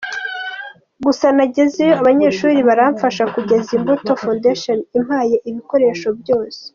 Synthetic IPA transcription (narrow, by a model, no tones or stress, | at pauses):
ɡusanaɟe̞zejoaβaɲe̞ːʃuːɾiβaɾaːɱfaʃakuɟe̞zimboto̞fondeʃonim̥haːje̞ʔiβiko̞ɾe̞ːʃo̞bjo̞ːse̥